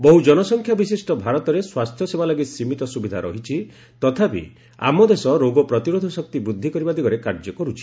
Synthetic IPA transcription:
bɔɦud͡ʒɔnɔsɔŋkʰjabisisʈɔbʱaɾɔt̪ɔɾeswast̪ʰjɔsebalɔɡisimit̪ɔsubid̪ʱaɾɔ̰ɦit͡ʃʰi | t̪ɔt̪ʰapḭ | a̰mɔd̪esɔɾoɡɔpɾɔt̪iɾod̪ʱɔsɔk̚t̪ibɾud̪ʱːikɔɾibad̪iɡɔɾekaɾd͡ʒɔkɔɾut͡ʃʰi̥

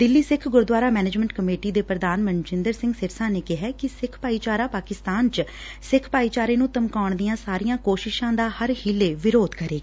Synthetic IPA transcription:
d̪ɪlːiːsɪkʰɡʊɾd̪waːɾaːmɛːneːd͡ʒmɛ̃ɳʈ̚kəmeːʈiːd̪eːpɾəd̪aːnmənd͡ʒɪ̃nd̪əɾsɪ̃ŋɡsɪɾsãːneːkɪɦɛːkɪsɪkʰpaːiːt͡ʃaːɾaːpaːkɪst̪aːnt͡ʃ | sɪkʰpaːiːt͡ʃaːɾeːnũːt̪əmkaːʊɳd̪ijãːsaːɾijãːkoːʃɪʃãːd̪aːhəɾhiːlːeːʋɪɾoːd̪kəɾeːɡː

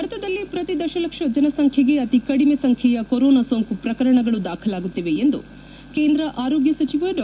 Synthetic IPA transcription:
ɐɾt̪ʰɐd̪ɐlːipɾɐt̪id̪ɐʃɐlɐkʂɐd͡ʒɐnɐsɐŋkʰjɐɡe̞ɐt̪ikɐɽimesɐŋkʰjɛjɐkoɾoːnasoːŋkupɾɐkɐɾɐɳɐɡɐɭud̪aːkʰɐlaːɡut̪ːiʋe̞ːnd̪ṵ | keːnd̪ɾɐʔaːɾoːɡjɐsɐt͡ʃiʋɐɖ

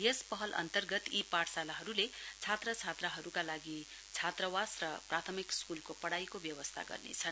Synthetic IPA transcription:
jespʌɦʌlʔʌ̰nt̪ʌrɡʌt̪ipaʈsalaɦʌɾulet͡sʰat̪rʌt͡sʰat̪raɦʌɾukalaɡi | t͡sʰat̪rʌwasrʌprat̪ʰʌmikskulkopʌɽajkobjʌbʌst̪ʰa̰ɡʌ̰rnḛt͡sʰʌn

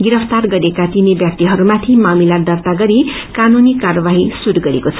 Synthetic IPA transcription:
ɡiɾʌpʰt̪arɡʌɾekat̪inebjak̚t̪iɦʌɾumat̪ʰimamilad̪ʌrt̪aɡʌɾi | kanunikarʌbaɦisuɾɡʌɾekot͡sʰʌ̥

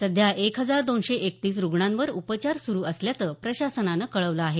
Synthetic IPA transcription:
səd̪ʱjaʔekɦəd͡zaɾd̪onɕeʔekt̪iːs̬ɾuɡɳãnʋəɾupət͡ɕaɾsuɾuːʔəsljat͡səpɾəɕasənanəkəɭəʋləaɦe

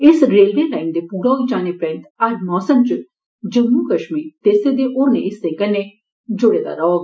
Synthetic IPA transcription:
ɪsɡɾeːlʋeːlaːɪnd̪eːpuːɾaːɦoid͡ʒaːneːpɾɛ̃ːnt̪ɐɾmɔːsəmt͡ʃ | d͡ʒəmːuːkəʃmiːɾt̪eːseːd̪eʔoːɾnḛːɪsːeːkənːeː | d͡ʒʊɽeːd̪a̰ːɾɔːɡ

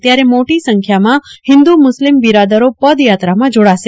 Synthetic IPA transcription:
t̪jaɾemoʈisəŋkʰjamãhɪ̃nd̪umʊslimbiɾad̪əɾopəd̪jat̪ɾamãd͡ʒoɽaʃe

